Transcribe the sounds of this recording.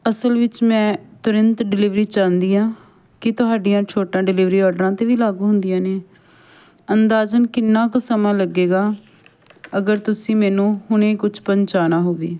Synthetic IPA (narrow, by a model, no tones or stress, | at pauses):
əsəlʋɪt͡ʃmɛ̃ːt̪ʊɾənt̪ɖɪlɪʋɾiːt͡ʃãːnd̪iːãː | kɪt̪ʊɦaːɖijãːt͡ʃʰoːʈãːɖɪlɪʋɾiːɔːɾɖəɾãːt̪eːʋiːlaːɡuːɦʊnd̪ijãːneː | ənd̪aːzənkɪnːãːksəmãːləɡeːɡaː | əɡəɾt̪ʊsĩːmɛːnũːhʊɳ̃ẽːkʊt͡ʃʰpəɲt͡ʃaːnaːɦoːʋeː